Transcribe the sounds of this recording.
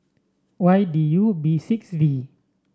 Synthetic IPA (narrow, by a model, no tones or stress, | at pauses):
wajdijuːbiːsik̚sdiː